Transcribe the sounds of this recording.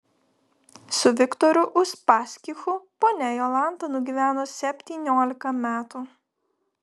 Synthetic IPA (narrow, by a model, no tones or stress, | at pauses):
sʊʋʲɪkt̪ɔɾʲʊʔʊʃpɑːsʲkʲixʊpoːnʲɛjoːlˠɑˑnˑt̪ɐnʊɡʲiːʋʲæːnoːsʲɛpʲt̪ʲiːnʲoːlʲɪkɐmʲæːt̪u